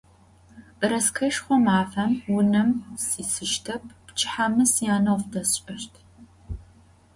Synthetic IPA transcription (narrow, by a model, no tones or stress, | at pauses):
ʔɨɾɐskʰɐʃχʷɔmaːfɐmwʊnɐmsiːsɨʃtʰɐpʰpt͡ʃʰʼħamɨsjaːnɐwfdɐɕʼɐʃtʰ